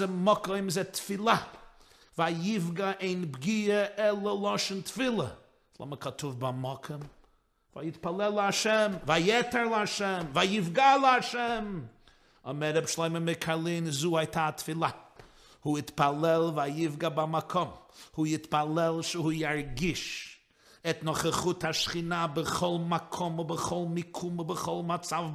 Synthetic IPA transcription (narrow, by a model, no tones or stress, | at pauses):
əmɔkɔɪmzɛtfɪlˠa | vajɪvɡaʔeɪnbɡiəʔɛlˠəlˠɔʃntfɪlˠə̰ | slˠɔ̰məkʰatʊvbamɔkʰɔm | va̰jɪtpalˠɛlˠaʃɛmvajɛtəɾlˠəaʃɛmvajɪvɡalˠəaʃɛm | ɔmɛɾɛbʃlˠoɪməmɪkʰalˠinzuːhaɪtʰaːtfɪlˠa | huɪtpalˠɛlˠvajɪfɡabamakʰɔmhujɪtpalˠɛlˠʃəhuːjaɾɡɪʃ | ɛtnɔχaχʊthaʃχinabəχɔlˠmakʰɔmʊbəχɔlˠmɪkʰumʊbəχɔlˠmat͡sav